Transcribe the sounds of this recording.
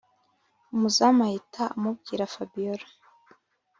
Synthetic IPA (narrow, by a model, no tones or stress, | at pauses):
umuzamajitʰaamub̚ɡiɾafabijoɾa